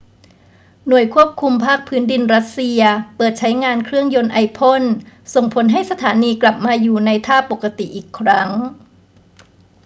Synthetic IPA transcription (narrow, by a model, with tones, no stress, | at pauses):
nu˨˩əjkʰu˥˩əp̚kʰu˧mpʰaː˥˩k̚pʰɯː˦˥ndi˧nɾa˦˥t̪̚si˧ɐpɤː˨˩t̪̚t͡ɕʰa˦˥jŋaː˧nkʰɾɯ˥˩əŋjo˧nʔa˧jpʰo˥˩nso˨˩ŋpʰo˩˦nɦa˥˩jsa˧t̪ʰaː˩˦niː˧kla˨˩p̚maː˧juː˨˩na˧jt̪ʰaː˥˩po˨˩kːa˧t̪i˨˩ʔiː˨˩kʰːɾa˦˥ŋ